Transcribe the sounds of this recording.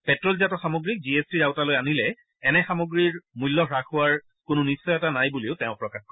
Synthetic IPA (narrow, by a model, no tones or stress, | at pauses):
pɛtɹɔlzatɔxamoɡɹik̚ziestiɹaʊtalojanilɛ | ɛnɛxamoɡɹiɹmujlːɔxɹaxʊwaɹ | kʊnʊnisːɔjɛtanajbuleʊtɛʊ̃pɹɔkaxkɔɹ